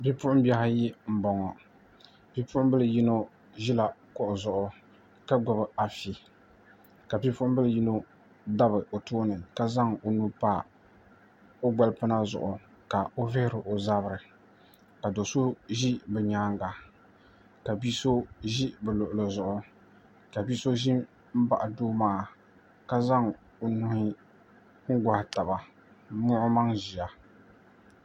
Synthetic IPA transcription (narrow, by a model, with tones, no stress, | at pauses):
bi˦pʊ˦ʔʊ˦m˦bi˦a˦ɦa˦jɪ˦m̩˨bɔ˨ŋɔ˨ | bi˦pʊ˦ʔʊ˦m˦bɨ˦lji˦no˦ | ʒi˦la˨kɔ˦ʔʊ˨zʊ˨ʔʊ˦ | ka˦ɡɔ˨bɨ˨a˨fi˨ | ka˨bi˦pʊ˦ʔʊ˦m˦bɨ˦lji˦no˦ | da˦bɨ˨ʔo˨toː˦nɨ˨ka˦za˦ŋo˨nu˦paː˦ | o˦ɡ͡ba˦lpɨ˦na˦zʊ̰˨ʔʊ˨ | ka˨o˦vɪ˦hɪ˦ɾɨ˨ʔo˨za˦bɨ˦˨ɾɨ˨ | ka˨do˨so˦ʒi˦bɛ˨ɲaː˦ŋɡa˨ | ka˨biː˦so˦ʒi˦bɛ˨lo˨ʔʊ˨lo˨zʊ˨ʔʊ˨ | ka˨biː˦so˦ʒi˦m | m̩˦ba˨ʔa˨doː˦maː˦˨ | ka˦za˦ŋ | o˨nu˦hɪ˦ | ŋ̩˦ɡa˨hɪ˨ta˨ba˨˦ | mʊ˦ʔʊ˦ma˦ŋʒi˨ja˨